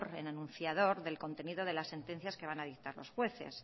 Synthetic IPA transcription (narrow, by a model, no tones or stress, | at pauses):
ɾḛnanũn̟θjaðo̞ɾðe̞lko̞nt̪e̞niðo̞ð̞e̞lasːe̞nt̪e̞n̟θjaske̞β̞anað̞ik̚t̪aɾlo̞̰sxwe̞θe̞̰s